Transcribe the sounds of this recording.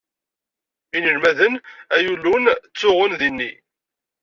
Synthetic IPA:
inəlmæðənæjulːunt͡sːʊʁənðinːi

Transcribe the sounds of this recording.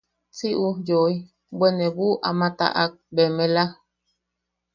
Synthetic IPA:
t͡siʔujoj | bwenebuʔa̰mãt̪a̰ʔak̚bemẽla

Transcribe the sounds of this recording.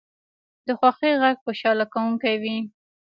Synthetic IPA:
d̪əxwaxiɣaɡ̚xoʃɑlakawuŋkajwi

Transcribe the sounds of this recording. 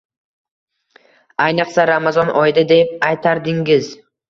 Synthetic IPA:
ajnɨqsaɾamazɒnʔɒjd̪ad̪ep̚ajt̪ʰaɾd̪ɪŋɡɪz

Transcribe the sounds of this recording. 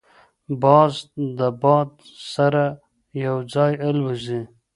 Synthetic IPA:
bɑzd̪əbɑd̪̚ | saɾa | jawd͡zɑjalwuzi

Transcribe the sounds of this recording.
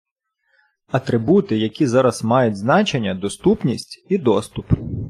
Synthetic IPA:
ɐt̪ɾɪbut̪ɪjɐkʲizɑɾɐz̥mɑjʊtʲznɑt͡ʃe̞nʲːɐd̪ɔst̪upnʲisʲtʲid̪ɔst̪ʊp

